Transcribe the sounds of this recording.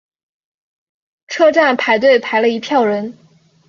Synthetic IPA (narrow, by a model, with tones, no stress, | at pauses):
ʈ͡ʂʰɤ˥ʈ͡ʂa˥˩npʰa˧˥ɪt̪̬we˥˩ɪpʰa˧˥ɪlə˧i˧˥pʰjɑ˥˩ʊɻə˧˥n